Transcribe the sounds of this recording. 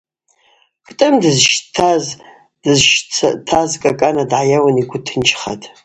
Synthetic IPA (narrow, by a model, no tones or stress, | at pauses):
kʰʼtʼɨmdɨzʃtʰaz | dɨzʃt͡stʰazkʼakʼanadʕajawaniɡʷʊtʰɨnt͡ʃʰχa̰tʼ